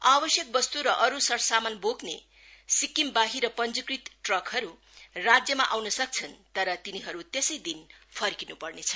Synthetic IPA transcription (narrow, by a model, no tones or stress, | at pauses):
abʌsjʌk̚bʌst̪uɾʌʔʌɾusʌɾsamanbokne | sikimbaɦiɾʌpʌnd͡zukrit̪ʈrʌkɦʌɾu | rad͡zjʌmaʔawnʌsʌk̚t͡sʰʌnt̪ʌɾʌt̪iniɦʌɾut̪esʌjd̪inpʰʌɾkinupʌrnet͡sʰʌ̥